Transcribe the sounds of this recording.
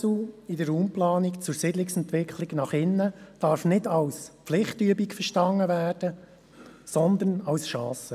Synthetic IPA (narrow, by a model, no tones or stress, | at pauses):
uidəɾuːmplɑːnikt͡sʊɾsɪdlɪksɛnt̪ʋɪkʰχliɡnɑχɪnːəd̥ɑɾfnɪdɑwspflɪχtyəbikfəɾʃtɑŋːəvæːrd̥ə | sɔnd̪ənɑwsʃɑːsə